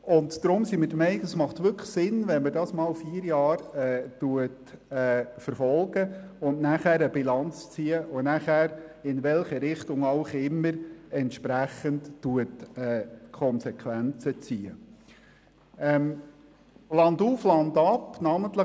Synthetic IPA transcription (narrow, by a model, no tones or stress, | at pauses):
ʊndd̥ɾʊmsimɪd̥əmɛɪnkəsmɑχtʋʏɾkχsɪnʋɛnmədɑsmɑːlfiːəɾjɑːɾɛːtuətɛːfəɾfɔlɡəʊnnæχæːɾəbilɑnt͡st͡siːəʔonæχæːɾɪnʋɛlχəɾɪχtʊŋɑʊχɪmːəɾɛntʃpɾæχəntːuətɛːkʰɔnsɛkʰʋænt͡sət͡siːə | ɛm | lɑnduːflɑndɑpːnɑmənt̪lə